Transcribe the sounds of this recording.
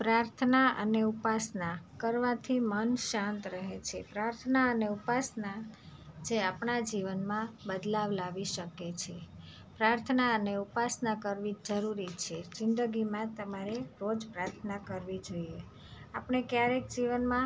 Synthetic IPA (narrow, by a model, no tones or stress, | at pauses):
pɾaɾt̪ʰənaʔəneupasnakəɾʋat̪ʰimənʃãnt̪ɾəɦet͡ʃʰepɾaɾt̪ʰənaəneupasna | d͡ʒeapɳad͡ʒiʋənmãbəd̪laʋlaʋiʃəket͡ʃʰe | pɾaɾt̪ʰənaəneupasnakəɾʋid͡ʒəɾuɾit͡ʃʰed͡ʒɪnd̪əɡimãt̪əmaɾeɾod͡ʒpɾaɾt̪ʰənakəɾʋid͡ʒoie | apɳekjaɾek̚d͡ʒiʋənmã